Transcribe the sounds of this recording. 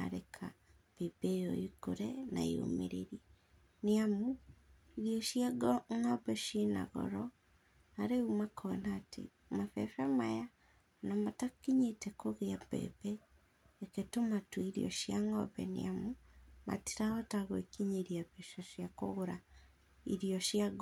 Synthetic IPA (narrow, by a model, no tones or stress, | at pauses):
a̰ɾekʰa | βebejɔikoɾɛna̰ḭo̰mḛɾeɾi | neamu | iɾiɔʃjaɡŋɔβɛʃena̰ɣɔ̰ɾɔ | aɾeumakʰɔnaːtʰḛ | mafɛ̰fɛmaja | namatakiɲetɛkoɣeapɛ̰pɛː | ketomatuiɾiɔ̰ʃjaŋɔ̰βɛ̰nḛamuma̰ti̥ɾaɔtaɣwekiɲeɾiaβɛʃɔʃjakoɣoɾa | ḭɾiɔʃjaɣ